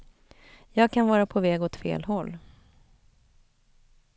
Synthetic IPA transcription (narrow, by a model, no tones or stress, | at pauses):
jɑːɡ̚kʰanvɑːɾapʰɔvɛːɡɔt̪fḛːlɦɔlː